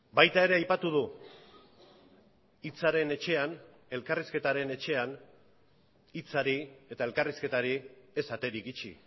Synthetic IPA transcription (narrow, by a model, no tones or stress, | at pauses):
bajt̪ae̞ɾe̞ajpat̪uðu | it͡saɾe̞ne̞t͡ʃe̞an | e̞lkariske̞t̪aɾe̞ne̞t͡ʃe̞an | it͡saɾie̞t̪ae̞lkariske̞t̪aɾie̞sat̪e̞ɾikit͡ʃḭ